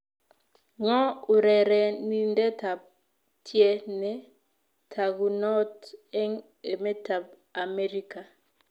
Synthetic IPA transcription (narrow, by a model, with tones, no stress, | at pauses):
ŋɔ˦ʊ˨ɾɛ˨ɾɛ˨ni˦ndɛ˦ta˨b̚ | tʰjɛ˦nɛ˨ | tʰa˨ɡu˨nɔ˦tɛ˦ŋ | e˨mɛ˦ta˨b̚ | a˨mɛ˦ɾi˦ka˨